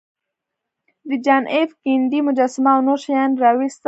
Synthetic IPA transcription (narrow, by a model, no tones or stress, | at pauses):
d̪id͡ʒanʔefkind̪imʊd͡ʒasmawnoʃjanɾawist̪